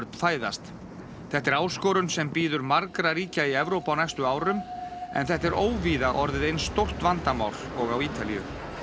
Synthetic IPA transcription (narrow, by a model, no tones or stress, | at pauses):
ɾt̪n̥faːjða̰st̪ | θɛht̪ːɛɾaːwskɔːɾʏnsɛmpiːðʏɾmaɾkɾaɾiːcaiɛvɾowpawnajst̪ʏaːwɾʏmɛ̰nθɛht̪ɛɾʔoːwviːðaʔɔɾðɪðejnst̪owr̥t̪vant̪ama̰ːwɾ̥ɔɣawiːt̪alḭjʏ̰